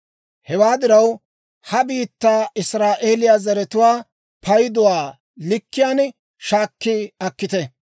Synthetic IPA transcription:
hɛwaːd̪ɪɾɐw | hɐbiːt̪ːaːɪsɾaːʔeːlɪjaːzɐɾɛt̪ʊwaː | pʰɐjd̪ʊwaː | lɪkːɪjaːn | ʃaːkːɪɐkːɪt̪ɛ

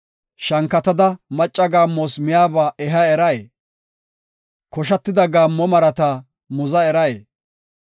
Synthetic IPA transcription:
ʃɐŋkːɐt̪ɐd̪ɐmɐt͡ʃʼːɐɡaːmːoːsmɪjaːbaːʔɛɦɐɛɾɐje | kɔʃ̬ɐt̪ːɪd̪ɐɡaːmːɔmɐɾɐt̪a | mʊzɐɛɾɐjeː

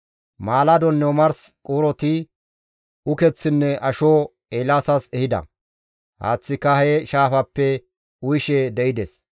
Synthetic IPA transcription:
maːlɐd̪ɔnːomɐɾskʼuːɾɔt̪ɪ | ʊkɛt͡sːɪnːɛʔɐʃoː | eːlaːsɐsɛhɪd̪ɐ̰ | ha̰ːt͡sːɪkːɐheʃaːfɐpːɛ | ʊjɪʃed̪ɛɪd̪ɛs

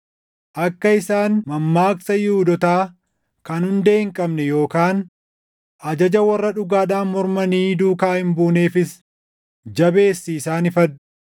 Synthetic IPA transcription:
ʔɐkːɐɪsaːnmɐmːaːksɐjuːd̪ɔt̪aː | kɐnhʊnd̪e̞ːŋkʼɐbnɛjo̞ːkaːn | ʔɐd͡ʒɐd͡ʒɐwɐrːɐᶑʊɡaːᶑaːnmɔɾmɐniːd̪uːkaːhɪmbuːne̞ːfɪs | d͡ʒɐbe̞ːsːiːsaːnɪfɐᶑʊ

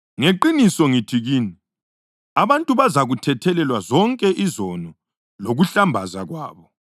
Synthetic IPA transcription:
ŋeǃinisɔŋitʰiɣiːni | aβantʼuβazaɣutʰɛtʰɛlɛlwazɔŋkʼɛʔizɔnɔ | loɣuɬambʱazaɣwa̰ːβɔ

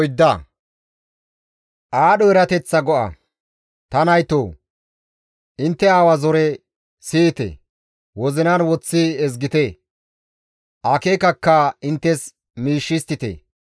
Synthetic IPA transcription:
jd̪ːɐ | ʔaːɗɔɛɾɐt̪ɛt͡sːɐɡɔʔɐ̰ | t̪ɐnɐjt̪oː | ʔɪnt̪ːɛaːwɐzɔɾɛ | siːt̪ɛ̰ | wɔzɪnɐnwɔt͡sːɪɛzɡɪt̪ɛ | ʔaːkekɐkːɐɪnt̪ːɛs | miːʃːɪst̪ɪt̪ḛ

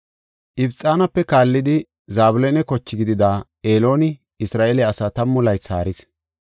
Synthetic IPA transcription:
ʔɪbt͡sʼːaːnɐpːɛkaːlːɪd̪ɪ | zaːbʊlɛnɛkɔt͡ʃːɪɡɪd̪ɪd̪aː | eːlo̞ːnɪ | ɪsɾaːʔelɛɐsaːt̪ɐmːʊlɐjt͡saːɾɪs

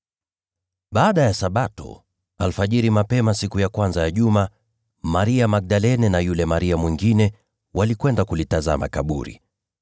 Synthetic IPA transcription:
ɓaːɗajasaɓatɔ̰ | alfaʄiɾimapɛmasikujakwanzajaʄuma | maɾiamak̚ɗalɛnɛnajulɛmaɾiamwiŋɡinɛ | wʔalikwɛndakulitaza̰ma̰kaɓṵɾḭ

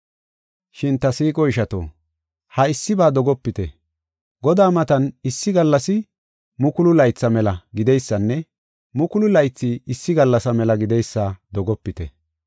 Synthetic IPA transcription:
ʃɪnt̪ɐsiːkʼɔɪʃɐt̪o̰ː | hɐɪsːɪbaːd̪ɔɡɔpːɪt̪ɛ | ɡɔd̪aːmɐt̪ɐnɪsːɪɡɐlːɐsɪ | mʊkʊlʊlɐjt͡sːɐmɛlɐɡɪd̪ɛjsːɐnːɛ | mʊkʊlʊlɐjt͡sːɪɪsːɪɡɐlːɐsɐmɛlɐɡɪd̪ɛjsːad̪ɔɡɔpːɪt̪ɛ̰

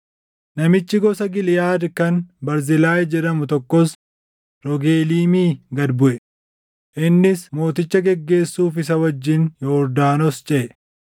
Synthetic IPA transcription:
nɐmɪt͡ʃːɪɡɔsɐɡɪlɪjaːd̪kɐnbɐɾzɪlaːjd͡ʒɛᶑ̪ɐmʊt̪ɔkːɔs | ɾɔɡeːliːmiːɡɐd̪bʊʔɛ | ʔɪnːɪsmo̞ːt̪ɪt͡ʃːɐɡɛɡːe̞ːsːuːfɪsɐwɐd͡ʒːɪnjɔːɾd̪aːnɔst͡ʃʼɛʔɛ

